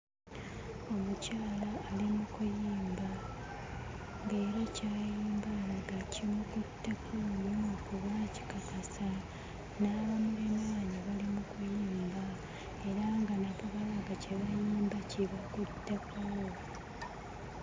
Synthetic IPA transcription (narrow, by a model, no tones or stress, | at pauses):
o̞mucaːlaːlimukujiːmba | ŋɡe̞ːɾecajiːmbalaɡacimukutːe̞kʰononokuβaci̥kakasa | naβamulemaːɲiβalimukujiːmba | e̞ɾaŋɡanaβuβalaɡaceβajiːmbaciβakutːe̞kawo